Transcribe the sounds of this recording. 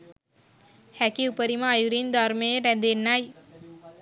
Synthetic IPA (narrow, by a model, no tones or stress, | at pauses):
hækiupəɾimɐːjuɾind̪aɾmeeɾɛnd̪enːaj